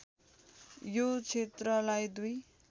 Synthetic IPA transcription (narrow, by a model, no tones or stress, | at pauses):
jot͡sʰet̪rʌlajd̪uj